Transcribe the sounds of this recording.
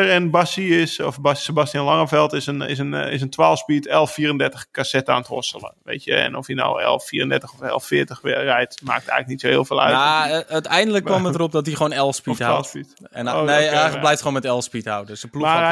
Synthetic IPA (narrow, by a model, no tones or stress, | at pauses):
ərənbasiɪsɔfbasəbastjənlɔŋəfɛlˠtɪsənɪ̰sənɪs̬əntʰwaːlˠspitɛlˠfiːərəndɛɹtəxkasɛta̰ːntɔ̰səlˠə̰ʋḛːtjə̰ɛ̰nɔfjənɔ̰wɛ̰lˠfiːrəndɛɹtəxɔfɛ̰lˠfɪːətəxʋɪ̰rɛjtma̰ːk̚tɛ̰ɣlək̚nitsohɪ̰ːlˠfeːlˠœ̰aœɥtɛjndələkːɔmətərop̚dɔtdiχoːnɛlˠspithasitoneəblɛjftχoːnmɛtɛlˠspithawdøsəpluma